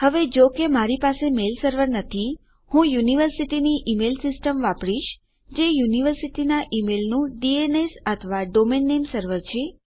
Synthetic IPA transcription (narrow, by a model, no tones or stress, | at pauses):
həʋed͡ʒokemaɾipasemelsəɾʋəɾnət̪ʰi | hũjuniʋəɾsiʈiniʔimelsisʈəmʋãpɽiʃ | d͡ʒejuniʋəɾsiʈinaʔimelnũɖienesət̪ʰəʋaɖomenːemsəɾʋəɾt͡ʃʰe